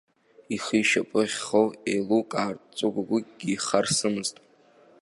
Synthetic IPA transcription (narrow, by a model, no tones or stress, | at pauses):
iχiʃapʼɨʁʲχowejlukʼaːrt͡sʼɨɡʷaɡʷʊɡ̥ʲiχarsɨmɨztʼ